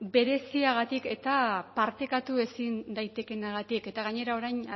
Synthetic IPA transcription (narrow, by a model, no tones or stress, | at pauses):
be̞ɾe̞siaɣat̪ike̞t̪apaɾt̪e̞kat̪ue̞sind̪ajt̪e̞ke̞naɣ̞at̪ike̞t̪aɣaɲe̞ɾao̞ɾajn